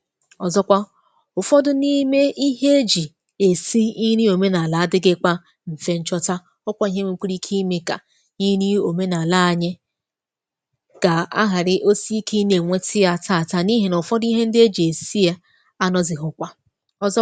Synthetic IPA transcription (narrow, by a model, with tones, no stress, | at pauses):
ɔ˨zɔ˦kʷa˦ | ʊ˨fɔ˦dʊ˦ni˦me˦i˦ɦe˦e˦d͡ʒi˨ | e˨si˦i˦ɾi˦o˨me˦na˨la˨a˦dɪ˦ɡɪ˦k͡pa˦ | m̩˨fe˦n̩˦t͡ʃɔ˦ta˦ | ɔ˦kʷa˦i˦ɦe˦ŋe˦k͡pʷu˦ɾi˦kʰi˦me˨ka̰˨ | i˦ɾi˦o˨me˦na˨la˦a˨ɲe˦ | ka˨a̰˦ɦa˨ɾɪ˨ʔo˦si˦i˦kʰi˦ne˨ŋʷe˦tɪ˦ja˦˨ta˦˨ta˦ni˦ɦe˨no˨fɔ˦dʊ˦i˦ɦe˦n̩˦dɪ˦e˦d͡ʒi˨e˨si˦e˦ | a˦nɔ˦zɪ˨ɦʊ˨kʷa˦ | ɔ˨zɔ˦